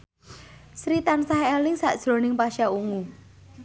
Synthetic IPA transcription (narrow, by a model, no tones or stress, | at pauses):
sɾit̪ansaɦɛlɪŋsaʔd̥ʒ̥ɾo̤nɪŋpaʃauŋu